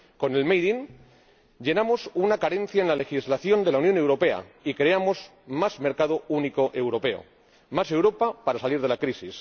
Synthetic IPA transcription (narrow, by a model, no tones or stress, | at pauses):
ko̞ne̞lmejðin | ʎe̞namo̞sunakaɾe̞n̟θjaenlale̞xizlaθjo̞nd̪e̞launjo̞ne̞wɾo̞pe̞a̰ikɾe̞amo̞z | mazme̞ɾkaðouniko̞ʔe̞wɾo̞pe̞o̰ | mase̞wɾo̞papaɾasaliɾð̞e̞lakɾisis